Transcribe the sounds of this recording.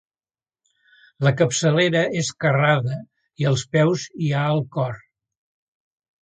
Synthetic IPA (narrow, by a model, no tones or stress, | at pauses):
ləkəpsəleɾəeskəraðə | iəlˠspɛwziaəlˠkɔr